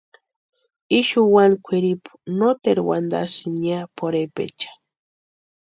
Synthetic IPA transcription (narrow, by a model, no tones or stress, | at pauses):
iʃuwankʷʰiɾipu̥not̪eɾwa̰nd̪a̰siɲapʰoɾepḛt͡ʃḁ